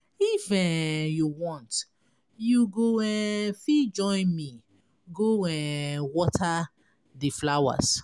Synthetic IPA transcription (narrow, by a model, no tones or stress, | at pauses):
ifɛjuwɔ̃nt | juɡoɛfid͡ʒɔ̃ɪ̃nmi | ɡoɛwɔtʰa | diflawa̰s